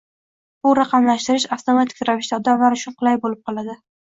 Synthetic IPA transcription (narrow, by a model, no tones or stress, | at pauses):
bʊɾɑqʰɑmlaʃt̪ɪɾɪʃaft̪ʰomat̪ʰɪ̥kʲɾavɪʃt̪aɒd̪amlaɾʊt͡ʃʰʊnqʰɨlˠajbolɪp̚qʰɒlˠad̪ɪ